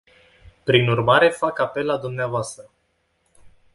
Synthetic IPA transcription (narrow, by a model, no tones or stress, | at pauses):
pɾinurmaɾe̞fakape̞lːad̪umneavoast̪ɾə